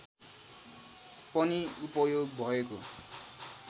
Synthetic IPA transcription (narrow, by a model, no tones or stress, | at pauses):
pʌniupʌjoɡbʱʌeko